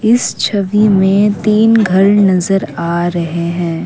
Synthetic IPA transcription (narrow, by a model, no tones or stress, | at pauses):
ɪst͡ʃʰɐʋimẽt̪iːnɡʱɐɾnɐzəɾaːɾɐɦeɦɛ̃ː